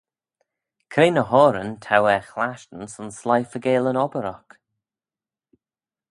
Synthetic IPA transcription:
kʰɾeːnəhɔːɾəntʰawɛxlaʃtən̩sɔnslajfəɡeːlənɔbəɾɔk

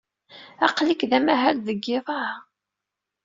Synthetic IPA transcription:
ɑqlikðæmæɦælðəɡːɪðˤɑh

